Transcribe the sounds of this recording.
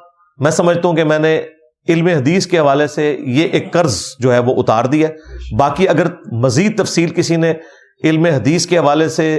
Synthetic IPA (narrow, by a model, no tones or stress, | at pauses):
mɛ̃ːsɐməd͡ʒʱt̪aɦũkemɛ̃ːne | ɪlmeɦɐd̪iːskeɦɐʋaːlesejeʔeːkːɐɾzd͡ʒoːɦɛʋoʔʊt̪a̰ːɾd̪iɦɛːbaːkiɐɡəɾmɐziːd̪̚t̪ɐfsiːlkɪsine | ɪlmeɦɐd̪iːskeɦɐʋaːlese